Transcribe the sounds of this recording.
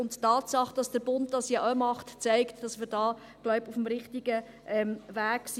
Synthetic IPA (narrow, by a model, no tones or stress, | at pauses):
ʊnttɑːtsɑχd̥ɑsd̥əɾb̥ʊnt̚dɑsjɑʔomɑχtt͡sɛɪktd̥ɑsmɪːɾdɑː | ɡ̥lɔʊbufmɾɪχtiɡ̥ə | ʔɛmvæːks